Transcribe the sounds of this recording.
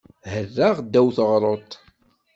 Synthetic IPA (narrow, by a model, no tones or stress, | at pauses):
hərːaʁd̪ːæwθəʁɾˤot̪ˤ